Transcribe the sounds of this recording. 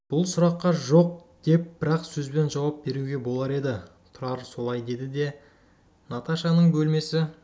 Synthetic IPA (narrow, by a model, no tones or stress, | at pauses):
b̥ʊlˠsʊɾɑqːɑʒo̞q̚d̪̥e̞p̚b̥ɪɾɑqsɵzbe̞nʒɑwɑp̚be̞ɾuɡʲe̞bo̞lˠɑɾe̞d̪ɪ | t̪ʰʊɾɑɾso̞lˠɑjd̪e̞d̪ɪd̪e̞ | nat̪aʃɑnəɴbɵlme̞sɪ